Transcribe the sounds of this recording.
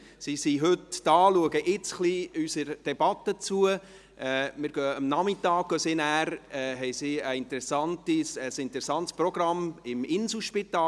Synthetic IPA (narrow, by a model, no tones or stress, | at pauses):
sisiɦɵtdɑːluəɡəʔɪt͡sχliysəɾd̥ɛb̥ɑt̪ːət͡suə | ɛːmɪɾɡ̥œəmnɑmɪt̪ɑːk̚ɡ̥œsinæːɾɛɦɛjsiəɪnt̪əɾɛsɑntisəsɪnt̪əɾɛsɑnt̪sprɔɡ̥rɑmɪmɪnsl̩ʃpit̪ɑː